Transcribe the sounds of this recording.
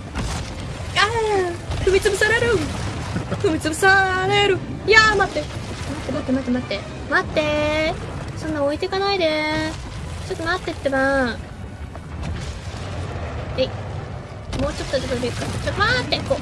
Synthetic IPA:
a | kɯmʲit͡sɨbɯ̟saɾeɾɯ̟ | kɯ̟mʲit͡sɨbɯ̟saɾeɾɯ̟ | jamat̪ːe̞ | mat̪ːe̞mat̪ːemat̪ːemat̪ːe̞ | mat̪ːe̞ | sõ̞nːãoit̪ekanaid̪e̞ | t͡ɕo̞t̪ːomat̪ːe̞t̪ːema | ei | mo̞ːt͡ɕo̞t̪ːot͡ɕot̪ːbʲi̥kat͡ɕot̪ːomat̪ːekoː

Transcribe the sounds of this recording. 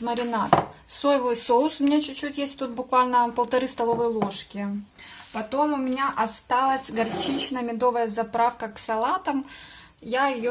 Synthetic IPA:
məɾʲɪnat̪sojɪvˠɨsoʊsʊmʲnʲet͡ɕʉt͡ɕːutʲjesʲtʲt̪ut̪̚bʊkvalʲnəpəlˠt̪ɐɾɨst̪ɐlˠo̞vəjlˠo̞ʂkʲɪ | pɐt̪o̞mʊmʲɪnʲaʔɐst̪alˠəsʲɡɐrt͡ɕit͡ɕnəmʲɪd̪o̞vəjəzɐpɾafkəksɐlˠat̪əm | jaɪjo

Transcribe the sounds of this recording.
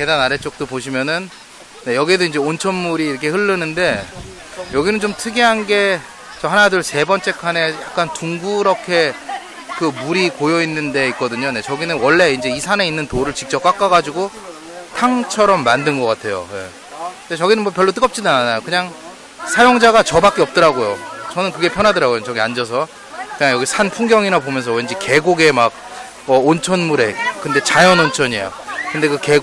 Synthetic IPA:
ke̞danaɾet͡ɕ͈ok̚t͈opoɕʰimjʌnɯnː | e̞jʌɡiedoind͡ʑe̞ont͡ɕʰʌnmuɾiːɾʌkʰe̞hɯɭːɯnɯnde̞ | jʌɡinɯnt͡ɕomtʰɯɡeɦanɡe̞ | t͡ɕʌhanadɯɭse̞bʌnt͡ɕ͈e̞kʰane̞ja̰k̚k͈antuŋɡuɾʌkʰe̞ | kɯmuɾikojʌinːɯnde̞ik͈ʌdɯɲone̞t͡ɕʌɡinɯnwʌɭːe̞ind͡ʑe̞isʰane̞inːɯntoɾɯɭt͡ɕik̚t͡ɕ͈ʌp̚k͈ak͈aɡad͡ʑiɡo | tʰaŋt͡ɕʰʌɾʌmːandɯnɡʌk͈atʰe̞jo̰je̞̰ | ɯndet͡ɕʌɡinɯnwʌpjʌɭːot͈ɯɡʌp̚t͡ɕ͈inɯnanajokɯɲaŋ | sʰajoŋd͡ʑaɡat͡ɕʌbak͈iʌp̚t͈ʌɾaɡojot͡ɕʌnɯnkɯɡe̞pʰjʌnɦadɯɾaɡojot͡ɕʌɡiand͡ʑʌs̬ʰʌ | kɯɲaŋjʌɡisʰanpʰuŋɡjʌŋiɾapomjʌnsʰʌweind͡ʑike̞ɡoɡe̞mak̚ | ʌont͡ɕʰʌnmuɾe̞kɯnde̞t͡ɕajʌnont͡ɕʰʌɲḛjo̰kɯnde̞kɯkeɡ

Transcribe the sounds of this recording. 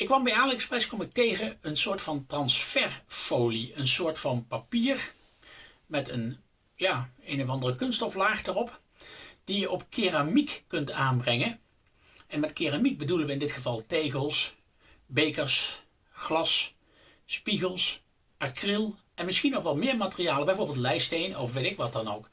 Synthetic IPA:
ɪkːʋɑmbɛjaːlɛksprɛskɔmɪk̚tejχəənsʊːɹtfɑntrɑnsfɛɹfowliənsʊːɹtfɑnpapiːr | mɛtən | jaːejnɔvɑndərəkɵnstɔflaːχdərɔp | d̥ijəʔɔpkɪramikːɵntaːnbrɛŋən | ɛnmɛtkɪramik̚bədulənʋəɪndɪtχəvɑlˠtejɣəlˠs | bejkəɹs | χlɑsː | piɣəlˠs | atkrɪlˠ | ʔɛnmɪsχinɔχʋɑtmɪːɹmaːtərijaːləbɛjvoːɹbɪlˠtlɛjstejnɔfʋetɪkʋɑt̚dɑnowk

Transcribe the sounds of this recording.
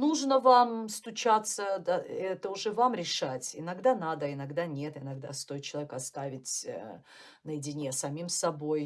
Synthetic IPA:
nuʐnəvamst̪ʊt͡ɕat̪səd̪aɛt̪əʊʐɛvamɾʲɪʂatʲɪnɐɡd̪anad̪əɪnɐɡd̪anʲe̞t̪ɪnɐɡd̪a̰st̪o̞ɪt̪̚t͡ɕɪlˠɐvʲekɐst̪avʲɪtʲ | nəjɪdʲɪnʲesɐmʲimsɐbo̞j

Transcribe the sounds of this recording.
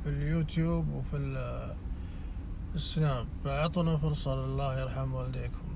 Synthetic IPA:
filjut̪jubwfil | əsːnafʕɑt̪ˤunafʊɾsˤɑllːahjɑɾˤħamwald̪ikʰʊm

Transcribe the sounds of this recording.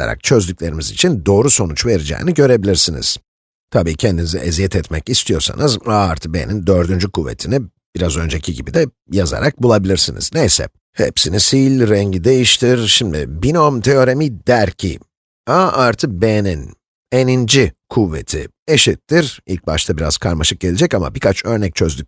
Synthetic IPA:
a̰ɾa̰k̚t͡ʃʰø̞zd̪yc̚lʲe̞ɾimizit͡ʃʰind̪o̞ːɾuso̞nut͡ʃve̞ɾid͡ʒɛ̰ːniɟø̞ɾe̞bilʲiɾsinḭz̥ | t̪ʰabiːcʰɛnd̪inizɛʔezijɛt̪ʰɛt̪mɛcist̪ʰijo̞ɾsa̰nɯzaːaɾt̪ʰɯbenind̪ø̞ɾd̪ynd͡ʒykʰuvːḛt̪ʰini | b̥iɾazø̞nd͡ʒecʰiɟibid̪ɛ | jaza̰ɾak̚bulˠabilʲiɾsinḭznejsɛ̰ | hḛpsinisilʲɾɛɲɟid̪e̞jiʃt̪ʰiɾʃimd̪ḭbinomt̪ʰeo̞ɾemid̪æɾcʰḭ | aːʔaɾt̪ʰɯbenin | enind͡ʒikʰuvːet̪ʰḭ | eʃit̪ʰːiɾilʲc̚baʃt̪ʰabiɾa̰z̥kʰaɾmaʃɯk̚ɟelʲed͡ʒɛcama̰bikʰat͡ʃʰø̞ɾnɛc̚t͡ʃʰø̞zd̪yc̚

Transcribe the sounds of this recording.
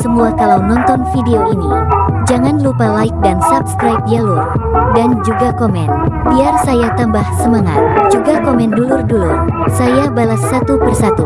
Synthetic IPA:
səmuakalawnɔnt̪ɔnfideoinḭd͡ʒaŋanlupalaɪk̚dansapskɾajp̚jaludand͡ʒuɡakɔmɛ̰nbiarsajat̪ambahsəmaŋa̰t̪̚d͡ʒuɡakomɛndulurdulursajabalasːat̪upərsat̪u

